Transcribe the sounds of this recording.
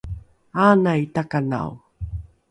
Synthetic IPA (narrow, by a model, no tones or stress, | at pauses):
anaitakana̰w